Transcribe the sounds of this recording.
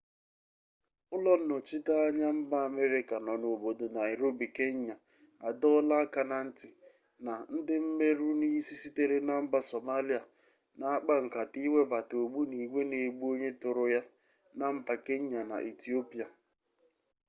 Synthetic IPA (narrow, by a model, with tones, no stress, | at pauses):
ʊ˦lɔ˦n̩˦nɔ˨t͡ʃi˦ta˦a˦ɲa˦m̩˦ba˦a˨me˦ɾɪ˦ka˨nɔ˨no˨bo˨do˨na˨e˨ɾo˦bi˨ke˦ɲ˦a˨ | a˨dɔ˦la˦ka˨na˨n̩˦tɪ˨ | na˨n̩˦dɪ˦m̩˦me˦ɾu˦ni˦si˦si˦te˦ɾe˦na˨m̩˦ba˨so˨ma˦li˦a˨ | na˨a˦k͡pa˦ŋ̩˨ka˨ti˦we˦ba˨to˨ɡ͡bu˦ni˨ɡʷe˦ne˨ɡ͡bu˦o˦ɲe˦tʊ˨ɾʊ˨ja˦ | na˨m̩˦ba˨ke˦ɲ˦a˨na̰˨ʔe˨ti˦o˦pi˨a˨